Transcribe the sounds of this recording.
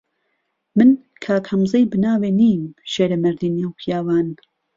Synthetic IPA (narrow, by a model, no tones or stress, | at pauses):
mɨn | kʰaːkhɐmzejbɨnaːweːniːmʃeːɾɐmɨɾd̪iːnewpʰjaːwaːn